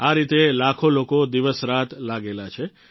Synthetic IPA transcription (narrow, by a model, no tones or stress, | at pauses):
aɾit̪elakʰolokod̪iʋəsɾat̪laɡelat͡ʃʰe